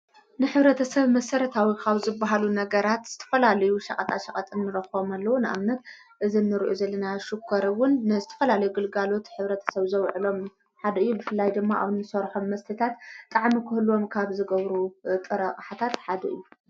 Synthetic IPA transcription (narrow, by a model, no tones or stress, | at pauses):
nɨħɨβɾɐt̪ʰɐsɐβmɐsɐɾɐt̪ʰawikʰaβzɨbːaɦalunɐɡɐɾat̪z̥ɨt̪ʰɐ̥fɐlalɐjuʃɐ̰kʼɐt̪ʼa̰ʃɐkʼɐt̪ʼɨnːɨɾɐxomalːɐwunɨʔa̰mnɐt̪ | ʔɨzinːɨɾʔuzɐlːɐnaʃukʰːɐɾwʊnːɨzɨt̪ʰɐ̥fɐlalɐjuɡɨlɡalo̞t̪ħɨβɾɐt̪ʰɐ̥sɐβzɐwʕɨlo̞m | ħad̪ɐɨjːubɨfɨlːajd̪ɨmːaʔa̰βɨnɨsɐɾħo̞mːɐst̪ʰit̪ʰat̪t̪ʼaʕmikʰɨhɨluo̞mkʰaβzɨɡɐβɾut̪ʼɨɾɐχʼħat̪ʰat̪ħad̪ɐʔɨjːu